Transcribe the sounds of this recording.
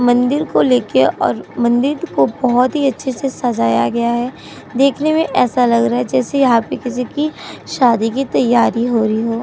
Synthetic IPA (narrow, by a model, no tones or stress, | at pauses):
mɐ̃nd̪ɪɾkoleːkeɔ̰ːɾmɐ̃nd̪ɪɾkobɐɦɔt̪ɦiɐtːʃʰesesɐd͡ʒaːja̰ɡɐjaɦɛː | d̪eːkʰnemẽʔɛːsalɐɡɾaaɦɛd͡ʒɛːsejɐɦãpekɪsikiʃaːd̪ikit̪ɐjːaːɾiɦoːɾɐɦiɦoː